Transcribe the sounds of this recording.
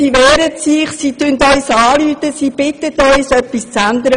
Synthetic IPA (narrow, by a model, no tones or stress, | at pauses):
iʋɛːɾətsiχsiːt̪ʉntœʏsɑːlyːt̪əsiːb̥ɪt̪ət̪œʏsœpːist͡sænd̪əɾə